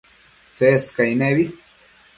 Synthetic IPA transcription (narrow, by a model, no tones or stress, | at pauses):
t͡seskajneβi